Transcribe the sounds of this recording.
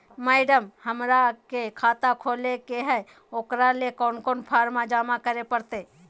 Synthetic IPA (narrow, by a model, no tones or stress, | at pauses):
maɪɖəmhəmɾakekʰaːt̪akʰoːlekeɦɛ | oːkɾalekɔːnkoːnpʰaːɾmad͡ʒaːmakəɾepəɾt̪eː